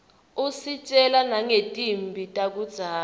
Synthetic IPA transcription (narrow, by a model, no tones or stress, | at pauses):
usit͡ʃʼɛlanaŋetʼimbʱitʼak̬ʼud̥z̥ʱaː